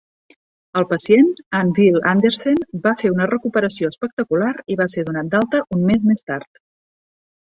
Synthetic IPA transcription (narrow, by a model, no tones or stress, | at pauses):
əlˠpəsienanvilˠand̪eɾsenbafeunərəkupəɾəsioəspək̚t̪əkulaɾiβaseðunat̪̚d̪alˠt̪əʔunmezmest̪aɾt̪